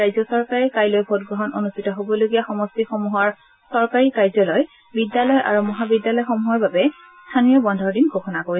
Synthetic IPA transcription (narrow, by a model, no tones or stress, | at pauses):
ajzɔsɔɹkaɹɛkajlojbʱotɡɹɔɦɔnonustitɔɦobɔloɡijaxɔmɔstixomuɦɔɹ | sɔɹkaɹikajzɔlɔj | bidjalɔjʔa̰ɹumɔɦabidjalɔjxomuɦɔɹbabɛ | stʰanijɔbɔndʱɔɹdinɡʱoxʰɔnakoɹi